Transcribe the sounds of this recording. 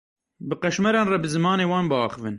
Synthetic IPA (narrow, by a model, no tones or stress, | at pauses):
bɨqɛʃmɛɾɑːnrɛbɨzɨmɑːneːwɑːnbɨɑːxɨvɨn